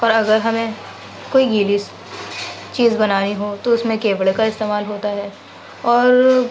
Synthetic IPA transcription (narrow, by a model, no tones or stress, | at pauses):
ɔːɾɐɡəɾɦɐmẽ | koːiɡiːlis | t͡ʃiːzbɐnaːniɦoːt̪oʊsmẽkeːʋəɽekaɪst̪eːmaːlɦoːt̪aɦɛː | ɔːɾ